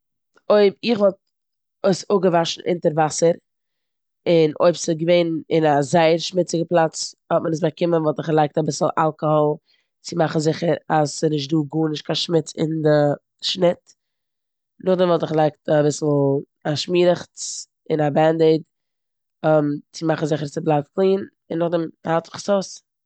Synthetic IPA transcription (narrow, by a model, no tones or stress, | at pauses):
oɪbɪχvɔlˠt̚ | oɪsʊɡəvaʃn̩ʔɪ̰ntəɾvasəɾ | ɪno̰ɪpsɪɡəveɪnɪnazaɪəɾʃmɪt͡sɪɡəplˠat͡shɔt̚mənəs̬bakɪmənvɔlˠtɪχlˠaɪk̚tabɪsl̩ˠʔalˠkɔhɔlˠ | t͡sɪmaχn̩zɪχəɾasənɪʃ̬tduːɡuːnɪʃtkʰaʃmɪt͡sɪ̰ndə | ʃnɪt | nʊχdɛmvɔlˠtɪχlˠaɪk̚tabɪsl̩ˠ | aʃmiːɾəχt͡s | ɪnabɛnded | ɛmt͡sɪmaχn̩zɪχəɾt͡sɪblˠafklˠiːn | ɪnːʊχdɛmhatɪ̥χsoʊs